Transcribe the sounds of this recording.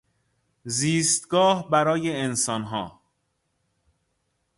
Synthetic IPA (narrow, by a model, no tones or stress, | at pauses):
ziːst̪ɡɒːhbæɾɒːjeensɒnɦɒ̰ː